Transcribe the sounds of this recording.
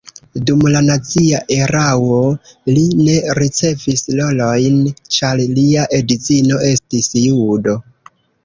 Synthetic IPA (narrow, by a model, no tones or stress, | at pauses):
dumlanat͡siaʔe̞ɾawo̞line̞ɾit͡se̞vislo̞lo̞jnt͡ʃaɾliaʔe̞dit͡sino̞e̞stisjudo̞